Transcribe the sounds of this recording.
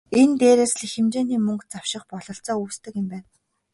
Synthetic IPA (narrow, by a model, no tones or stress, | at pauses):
ent̪eːɾeːsɮixĕmt͡ɕeːniːmɵŋkt͡saw̥ʃɪ̆χpɔɮɞ̆ɬt͡sɔːuːst̪ɘ̆kɪ̆mpæːn